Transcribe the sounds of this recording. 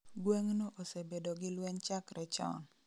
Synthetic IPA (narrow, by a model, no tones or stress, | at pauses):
ɡweŋnoʔosebedoɡɪlwɛɲt͡ʃakɾɛt͡ʃɔ̰n